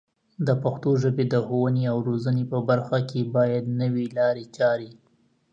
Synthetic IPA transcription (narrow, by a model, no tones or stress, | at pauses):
d̪əpaxt̪oʒəbed̪əxowəneawɾozənepəbaɾxakʰebɑjad̪nəwilɑɾet͡ʃɑɾi